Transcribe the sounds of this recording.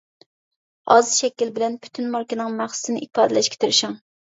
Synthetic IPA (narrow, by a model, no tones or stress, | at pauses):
ɑzɨʃɛkʲilbɪlɛnpʰy̥t̪ʰynmɑɾkʲinɪŋmæχsɨ̥sɨnɪʔipʰɑːd̪ɨlɛʃkʲʰɛ̥t̪ʰyɾɪʃuŋ